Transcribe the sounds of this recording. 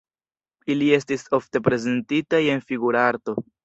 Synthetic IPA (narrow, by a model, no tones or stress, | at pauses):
ilie̞stiso̞fte̞p̬ɾe̞ze̞ntitaje̞nfiɡuɾaaɾto̞